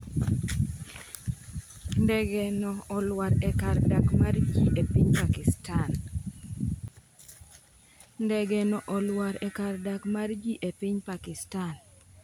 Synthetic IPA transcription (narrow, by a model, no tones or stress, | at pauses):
ndɛɡɛnɔɔlwaɾɛkardakmard͡ʒiʔepiɲpakɪstan | ndɛɡɛnɔʔɔlwaɾɛkardakmard͡ʒiʔepiɲpakɪstan